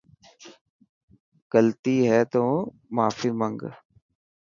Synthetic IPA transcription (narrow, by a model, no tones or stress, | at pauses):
ɡ̥əlt̪iːɦɛːt̪õː | maːfiːməŋɡ